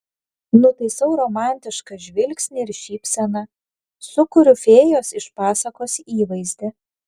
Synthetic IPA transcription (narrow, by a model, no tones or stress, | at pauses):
nʊt̪ɐɪsɐʊɾoːmɑˑnʲt̪ʲɪʃkɐʒʲʋʲɪlʲksʲnʲɪɪɾʃʲiːpʲsʲɛnɐ | sʊkʊɾʲʊfʲeːjoːsɪʃpɑːsɐkoːsʲiːʋɐɪzʲd̪ʲɛ